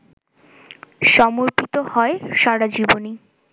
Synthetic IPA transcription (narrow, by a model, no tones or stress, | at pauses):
ʃɔmoɾpit̪ohɔeʃaɽad͡ʑiboni